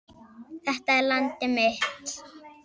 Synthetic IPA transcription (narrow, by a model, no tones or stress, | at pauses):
θɛht̪aɛɾlant̪ɪmɪht̪